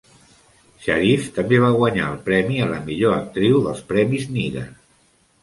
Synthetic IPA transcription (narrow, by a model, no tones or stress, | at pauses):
ʃaɾift̪əmbeβ̞aɣwəɲa̰əlˠpɾɛmiələmiʎoək̚t̪ɾiwðəlˠspɾɛmizniɣə̰